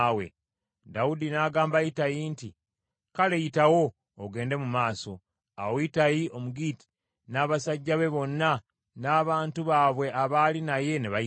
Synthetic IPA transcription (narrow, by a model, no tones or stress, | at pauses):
we̞̰ | dawudinaɡaːmbajitajinti | kale̞jitawo̞ː | ɡe̞ːnde̞mumaːso̞ | a̰woitajio̞muɡiːti̥ | naːβasaɟːaβe̞βo̞nːa | naːβaːntuβaːβwe̞ʔaβaːlinaje̞neβai